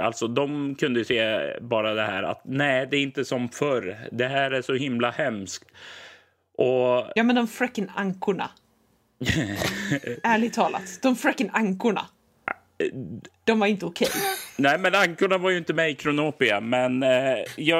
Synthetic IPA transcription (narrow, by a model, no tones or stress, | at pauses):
a̰lt̪sɔd̪ɔmkʰɵnd̪əjɵseːbɑːɾad̪ɛhæ̰ːɾa̰t̪næɪd̪ɛːɾɪnt̪əsɔmfœɾd̪ɛɦæːɾæʂɔhɪmlahɛmskt̪ | ʔɔjɑːmɛnd̪ɔmfɾɛkːənaŋkʊɳa̰ | æːɭɪɡ̚t̪ʰɑːla̰t̪d̪̥ɔmfɾɛkːənaŋkʊɳa̰ | d̪̥ɔmvaɾɪnt̪əʊkʰɛ̰jnæmɛnaŋkʊɳavaɾjɵɪnt̪əmɛjkʰɾʊnoːpɪamɛnjɑ